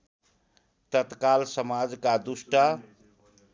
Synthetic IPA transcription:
t̪ət̪kalsəmad͡zkad̪usʈa

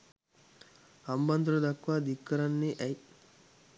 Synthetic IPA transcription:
ɐmbɐnd̪uɾɐd̪ɐkːʋaːd̪ikːɐɾanːeːʔɛj

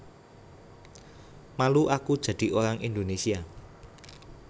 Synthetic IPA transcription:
maluʔakud̥ʒ̥ä̤d̪̥i̤ʔoɾaŋind̪onesia

